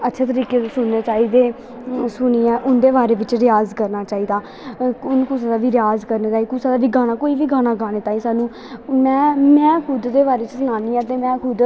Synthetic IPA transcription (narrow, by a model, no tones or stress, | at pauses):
ətːʃʰeːt̪̬əɾiːkeːt̪ːsʊnːeːt͡ʃaːiːd̪eː | sʊniːɛːʔʊnd̪eːbaːɾeːʋɪt͡ʃɾɪjaːzkəɾnaːt͡ʃaːiːd̪aː | ʊnkũsad̪aːʋiːɾɪjaːzkəɾneːt͡ʃaːiːkuːsaːd̪aːʋiːɡaːñaːkoːiːʋiːɡaːnaːɡaːñeːt̪aːiːsaːnũː | mɛ̃ːmɛ̃ːkʰʊd̪d̪eːbaːɾeːt͡ʃsənaːniːaːt̪eːmɛ̃ːkʰʊd̪